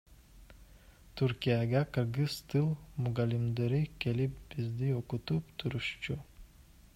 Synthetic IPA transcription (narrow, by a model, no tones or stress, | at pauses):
t̪ʰuɾkʲijaɡaqɯɾɡɨst̪ʰɨlˠmuɡalimd̪eɾikʲʰe̞lip̚b̥izd̪ioqut̪upt̪ʰuɾuʃt͡ʃʰu